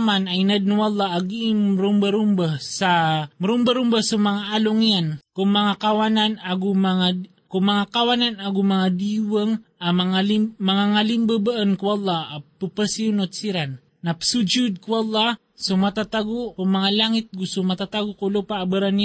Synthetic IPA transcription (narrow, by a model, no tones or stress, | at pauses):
manajnad̪̚nuwalˠˤːɑaɡiɪmɾumbaɾumbasamɾumbaɾumbasomaŋaʔaloŋijankʊŋmɐŋakawananaɡʊmaŋa | kʊŋmɐŋakawananaɡʊmaŋad̪iwaŋamaŋalmaŋaŋalimbabaʔənkuɑlˠːɑapupəsiunot̪̚siɾanː | apsud͡ʒʊd̪̚kuɑlˠːɑ | somat̪at̪aɡʊkʊŋmɐŋalaŋɪt̪̚ɡʊsʊmat̪at̪aɡʊkulopaʔːbəɾan